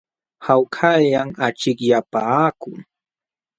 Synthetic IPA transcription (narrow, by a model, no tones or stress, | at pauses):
hawkʰaʎaŋat͡ʃɪkjapakʊŋ